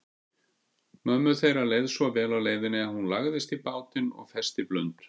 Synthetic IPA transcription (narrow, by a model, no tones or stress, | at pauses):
mœmːʏθejɾalejðsvɔvɛːlawleːjðɪnɪahunlaɣðɪst̪ipaːwt̪ɪnɔ̰ɣfɛst̪iplʏ̰nt̪